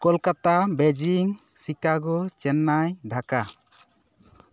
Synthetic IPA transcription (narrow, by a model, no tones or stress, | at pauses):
kɔlkat̪abed͡ʒiŋ | sikaɡɔt͡ʃɛnːajɖʱaka